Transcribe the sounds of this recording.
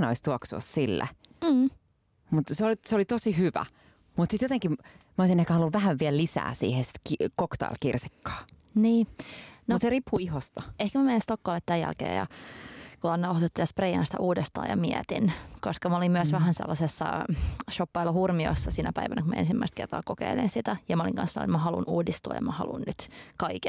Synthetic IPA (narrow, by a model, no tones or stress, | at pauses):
no̰ist̪uoksuɑ̰ssilːæ̰ː | mut̪seoliseolit̪osihyʋæ̰ | mut̪sit̪jot̪eŋkimmæoˑisinehkæhɑlːuʋʋæhæʋʋiællisæ̰ːsḭːhesi̥t̪kikokt̪ɑ̰ḭlkirsi̥kːɑ̥ː | niːnoseripːuihost̪ɑehkæmæmeinst̪okːɑːlet̪t̪æjæ̰lkḛːjɑ̰kulɑnːɑohot̪uot̪ːiɑsprejɑ̰nsi̥t̪æ̰ʔuːdest̪ɑ̰ːjɑ̰miɛt̪inkoskɑmolimmyøsʋæɦænsḛlːɑsesːɑ̰ʃopːɑilohurmio̰sːɑsinæpæiʋænækumæ̰ḛnsimːæist̪̚kert̪ɑ̰ːkokḛilḭnsit̪æjɑmæoliŋkɑ̰nsɑno̰mɑhɑlṵnuːdist̪uɑjɑ̰mɑhɑ̰lṵnnyt̪kɑike